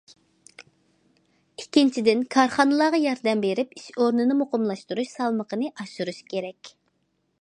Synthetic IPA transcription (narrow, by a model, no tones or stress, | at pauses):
ikʲʰːint͡ʃʰid̪ɪnkʰɑɾχɑnɨlˠɑːʁɑjɑɾd̪ɛmbeɾɪpi̥ʃoɾnɨnɨmoqʊmlˠɑʃt̪uɾuʃsɑlˠməqənɨʔɑʃuɾuʃkʲʰeɾɛkʲ